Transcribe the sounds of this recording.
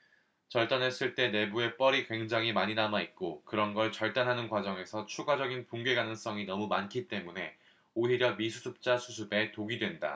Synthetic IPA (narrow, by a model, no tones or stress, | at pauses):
t͡ɕʌɭt͈anɦe̞s͈ɯɭt͈e̞ne̞bue̞p͈ʌɾikwe̞ŋd͡ʑaŋɦimaɲinamait̚k͈okɯɾʌnɡʌɭt͡ɕʌɭt͈anɦanɯnkwad͡ʑʌŋe̞sʰʌt͡ɕʰuɡad͡ʑʌɡinpuŋɡe̞ɡanɯŋs͈ʌŋinʌmumankʰit͈e̞mune̞ | oɦiɾjʌmisʰusʰɯp̚t͡ɕ͈asʰusʰɯbe̞toɡidwe̞nda̰